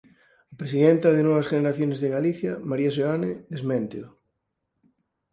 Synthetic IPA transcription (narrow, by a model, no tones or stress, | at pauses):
apɾes̬iðent̪ɐðenɔβɐsʝeneɾaθjonezðeɣaliθjɐmaɾiasoaneðezmẽnt̪o